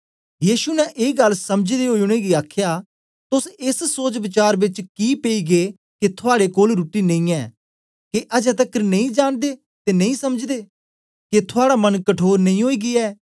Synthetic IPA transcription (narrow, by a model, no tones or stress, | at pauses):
jiːʃunɛʔeːɡɐlsɐmd͡ʒd̪eɦoːiʊɽ̃eɡiaːkʰjaː | t̪ʊsɪssoːd͡ʒbɪt͡ʃaːɾbɪt͡ʃkiːpeiːɡeː | ket̪ʰʊaːɽekoːlɾuːʈinɐ̃ĩːɛː | keʔɐd͡ʒɛ̃t̪̬əkːəɾnɐĩd͡ʒaːnd̪eː | t̪eːnɐ̃ĩːsɐməd͡ʒd̪eː | ket̪ʰʊaːɽamənkəʈʰoːɾnɐ̃ĩɦoːiːɡɪɛː